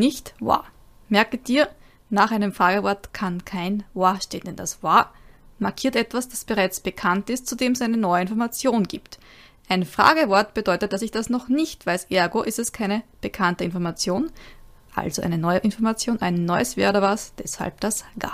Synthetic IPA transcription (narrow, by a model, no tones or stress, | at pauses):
nɪçtva̰ː | mɛɐkəd̥iːɐ | naːχʔaɪnəmfʁaːɡəvɔɐtkʰankʰaɪnvaʃteːndɛndasvamaɐkʰiːɐtʔɛtv̥asd̥asb̥əʁaɪt͡sb̥əkʰantɪst̚t͡sudeːmɛsʔæɪnənɔʏəɪnfɔɐmat͡sjoːnɡḭːpt | ʔaɪnfʁ̥a̰ːɡəvɔɐtb̥əd̥ɔʏtət̚d̥asɪçd̥asnɔχnɪçtv̥aɪsʔɛɐɡoʔɪstɛskʰaɪnəb̥əkʰantəɪnfɔɐmat͡sjoːn | ʔa̰lzoʔæ̰ɪnənɔʏəʔɪnfɔɐmat͡sjoːnʔæɪnːɔʏəsv̥ɛːɐoːdɐvasd̥ɛsha̰lp̚d̥asɡ̥a̰ː